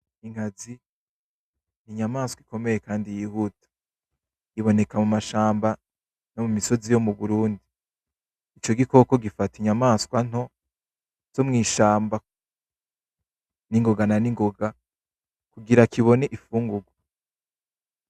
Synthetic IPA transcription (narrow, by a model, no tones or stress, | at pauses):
iŋ̥hazi | niɲamaːskwiko̞me̞je̞kaːndijihutḁ | iβo̞ne̞kamumaʃaːmba | no̞mumiso̞zijo̞muβuɾuːndiː | t͡ʃo̞ɡiko̞ko̞ɡifatiɲamaːskwan̥o̞ | z̥o̞mŋiːʃaːmba | niŋɡo̞ɡananiŋɡo̞ɡa | kuɡiɾakiβo̞ne̞ʔifuːŋɡuɡwa